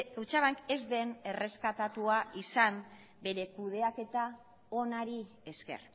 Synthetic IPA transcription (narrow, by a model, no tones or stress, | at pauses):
et͡ʃaβaŋke̞zd̪e̞ne̞re̞skat̪at̪uaʔisam | be̞ɾe̞kuð̞e̞ake̞t̪a | o̞naɾi | e̞ske̞̰r